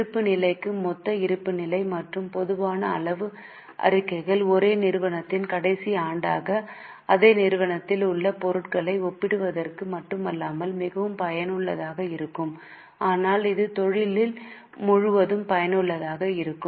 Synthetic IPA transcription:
ɯpːɯnɪlɐɪkːɯmɔt̪ːɐɪɾɯpːɯnɪlɐɪmɐʈrɯmpɔðɯʋaːnɐɐ̰ɭɐʋɯ | ʔɐ̰ɾɪkːɐɪɣɐɭɔɾeːnɪɾɯʋɐɳɐt̪ːɪnkɐɽɐɪsiaːɳɖaːɣɐ | ɐðeːnɪɾɯʋɐɳɐt̪ːɪlʊɭːɐpɔɾɯʈkɐɭɐɪɔpːɪɽɯʋɐðɐrkɯmɐʈːɯmɐlːaːmɐlmɪɣɐʋɯmpɐjɐnɯɭːɐðaːɣɐɪɾɯkːɯm | aːnaːlɪðɯt̪ɔɻɪlɪl | mʊɻʊʋɐðɯmpɐjɐnɯɭːɐðaːɣɐɪɾɯkːɯm

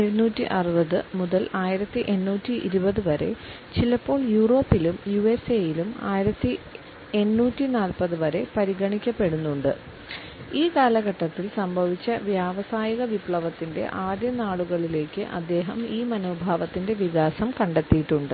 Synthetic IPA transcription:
eɻunuːtːḭʔɐrɨbɐðɨmuðɐlaːjiɾɐt̪ːiʔenːuːtːiʔiɾubɐðɨʋɐɾe̞̰ | t͡ɕilɐpːo̞ːɭjuːro̞ːpːilumjue̞seːjiluma̰ːjiɾɐt̪ːi | e̞nːuːtːinaːlpɐðɨʋɐɾe̞pɐɾiɣɐɳikʲːɐpːe̞ɽunːuɳɖɨ | iːkaːlɐɣɐʈːɐt̪ːilsɐmbʱɐʋit͡ɕːɐʋjaːʋɐsaːjiɣɐʋipɭɐʋɐt̪ːinde̞̰ʔaːd̪jɐnaːɭuɣɐɭile̞ːkːɨʔɐ̰d̪ːe̞ːɦɐmiːmɐno̞ːbʱaːʋɐt̪ːinde̞ʋiɣaːsɐmkɐɳɖe̞t̪ːijʈːuɳɖɨ

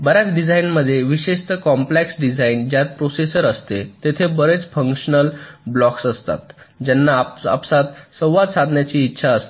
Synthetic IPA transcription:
bəɾjat͡sɖid͡zʱainməd̪ʱːjeʋiɕeʂt̪əkɔmpleksɖid͡zaind͡ʑjat̪̚pɾosesəɾəst̪et̪et̪ʰebəɾet͡sfəŋkʂənəlblɔksəst̪a̰t̪d͡ʑɛnːaa̰psat̪sə̃wʋad̪sad̪ʱnjat͡ɕiːtːɕʰaəst̪

